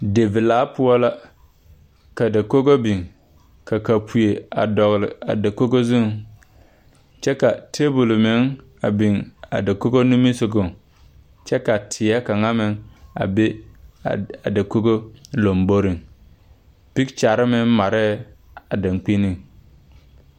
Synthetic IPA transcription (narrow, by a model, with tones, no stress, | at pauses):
de˨vɪ˨laː˦pʊ˦ɔ˦la˦ | ka˨da˨ko˦ɡo˦bi˨ŋ | ka˨ka˨pʰu˨je˨a̰˨dɔ˨ɣlɪ˨a̰˨da˨ko˦ɡo˦zu˦˨˦ | t͡ʃɛ˦ka˨tʰe˦bu˨lmɪ˨˦ŋ | a˨bi˨ŋa̰˨da˨ko˦ɡo˦nu˦mi˦sɪ˨ɡʊ˨ŋ | t͡ʃɛ˦ka˨tʰɪ˨a˦ka˨ŋa˦mɪ˨ŋa̰˨be˦˨ | a˨da˨ko˦ɡo˦lo˨mbo˦ɾi˨ŋ | pi˦kt͡ʃa˨ɾɪ˦mɪ˦ŋma˨ɾɛ˦ | a˨da˨ŋk͡pi˦ni˦˨ŋ